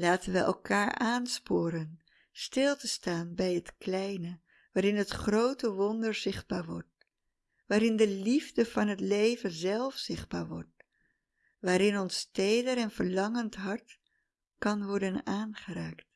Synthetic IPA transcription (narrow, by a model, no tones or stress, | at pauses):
laːtənʋəʔɛ̰lˠkaːɹʔaːnspʊːɾən | stɪlˠtəstaːnbɛjɦətklɛjnə | ʋaːɾɪnɦətχrowtəʋɔndəɹz̥ɪχd̚baːɹʋɔɹt̚ | ʋaːɾɪndəlivdəv̥ɑnɦətlejvənzɛlˠfz̥ɪχd̚baːɹʋɔɹt̚ | ʋaːɾɪnɔnstejdəɾɛnvəɹlɑŋəntɦɑɹt | kɑnʋɔɹdənaːnχəɾaːkt